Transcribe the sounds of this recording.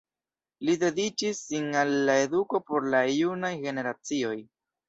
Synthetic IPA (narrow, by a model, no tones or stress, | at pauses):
lide̞dit͡ʃisːinalːae̞duko̞po̞ɾlajunajɡe̞ne̞ɾat͡sio̞j